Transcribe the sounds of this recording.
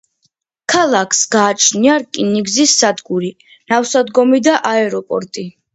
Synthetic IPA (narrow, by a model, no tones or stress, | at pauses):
kʰalˠakʰsɡaːt͡ʃʰniaɾkʼiniɡzisːad̪ɡuɾi | nafsad̪ɡɔmid̪aʔaɛɾɔpʼɔ̰ɾt̪ʼi